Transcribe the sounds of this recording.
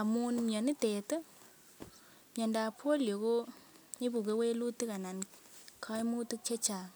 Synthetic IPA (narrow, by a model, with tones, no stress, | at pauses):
a˨mu˦nmɔ˨ni˦te˨tɔ˦ | mje˨nda˨pʰo˦ljo˨ko˦mi˦bu˨ke˦we˦lu˦ti˦ka˨na˨nkʰa˦jmu˦ti˦k̚t͡ʃe˦t͡ʃa˨